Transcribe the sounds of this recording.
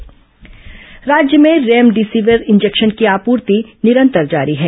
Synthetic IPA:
ɾaːd͡ʒjəmẽɾeːmɖisiːʋəɾɪ̃nd͡ʒekʃənkiaːpuːɾt̪inɪɾə̃nt̪əɾd͡ʒa̰ːɾiɦɛː

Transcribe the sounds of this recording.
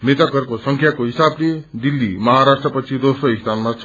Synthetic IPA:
met̪ʌkʌrkosʌŋkʰjakoɦisabled̪ilːimʌɦaɾasʈrʌpʌt͡sʰid̪osroist̪ʰanmat͡sʰ

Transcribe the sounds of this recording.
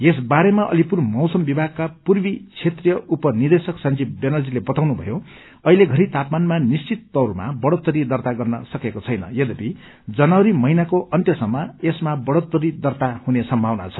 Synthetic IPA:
jesbaɾemaʔʌ̰lipurmʌwsʌmbibʱaɡ̚kapurbit͡sʰet̪rjʌupʌnird̪esʌksʌnd͡zib̚benʌrd͡zilebʌt̪awnubʱʌ̰jo | ʌileɡʱʌɾit̪apmanmanist͡sit̪ːʌwrma̰bʌɽot̪ːʌɾid̪ʌrt̪aɡʌrnʌsʌkekot͡sʰʌjnʌ̰jʌd̪ʌpi | d͡zʌnawɾimʌinakoʔʌnt̪jʌsʌmːaesmabʌɽot̪ːʌɾid̪ʌrt̪ahunesʌmbʱawna̰t͡sʰʌ̥

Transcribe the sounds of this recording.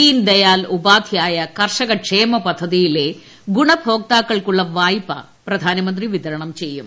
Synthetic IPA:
iːnd̪ɐjaːlubaːd̪ʱijaːjɐkɐrʂɐɣɐʂeːmɐpɐd̪ʱːɐðijile̞ | ɡuɳɐbʱo̞ːk̚t̪aːkːɐɭkuɭːɐʋaːjpːɐ̰ | prɐd̪ʱaːnɐmɐnd̪riʋit̪ɐɾɐɳɐmt͡ɕe̞jːum

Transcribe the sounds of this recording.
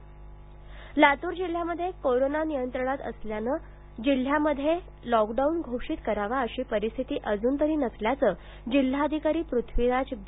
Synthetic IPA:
lat̪uːɾd͡ʑil̤ːjaməd̪ʱːjekoɾonanijənt̪ɾəɽ̃at̪ə̰sljanə | d͡ʑil̤ːjaməd̪ʱːje | lɔkɖaunɡʱoʂiːt̪kəɾaʋaəɕiːpəɾist̪ʰit̪iːʔəd͡zuːnt̪əɾiːnəsljat͡səː | d͡ʑil̤ːaəd̪ʱikaɾiːpɾut̪ʰʋiɾad͡ʑ

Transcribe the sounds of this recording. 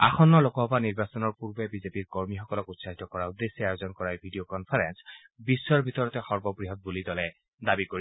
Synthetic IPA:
a̰xʰɔnːɔlokɔɦɔbaniɹbasɔnɔɹpuɹbɛbizepiɹkɔɹmixɔkɔlɔkutsaɦit̪ɔkɔɹaud̪esːɛajozɔnkɔɹajbʱidiokɔnpʰaɹɛns | bisːɔɹbʱit̪ɔɹɔtɛxɔɹbɔbɹiɦɔt̪̚bulidɔlɛ | d̪abikoɹi

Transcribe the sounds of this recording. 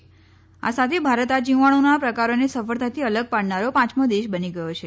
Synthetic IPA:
a̰sat̪ʰebʱaɾət̪ad͡ʒĩʋaɽ̃onapɾəkaɾonesəfəɭt̪ʰat̪ʰiələɡ̚paɽnaɾopãt͡ʃmõd̪eʃbəniɡəjot͡ʃʰe

